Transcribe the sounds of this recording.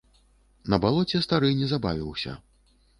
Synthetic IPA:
nɐbalˠɔt͡sʲɛst̪aɾɨnʲɛzabavʲiwsʲɐ̰

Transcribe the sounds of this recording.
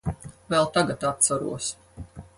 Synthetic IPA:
vɛlˠt̪aɡat̪at̪̚t̪saɾṵɔs

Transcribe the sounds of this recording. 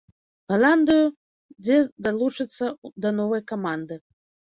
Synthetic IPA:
ɣɐlˠand̪ɨju | d͡zʲɛd̪alˠut͡ʂɨt̪sːɐd̪ɐnɔvɐjkamand̪ɨ

